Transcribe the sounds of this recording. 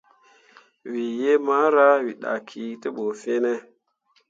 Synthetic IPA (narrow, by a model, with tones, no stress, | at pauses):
wi˨je˦ma˦ɾa˦wi˨ɗa̰˨kʰi˨ti˦ɓo˨fe˦ne˦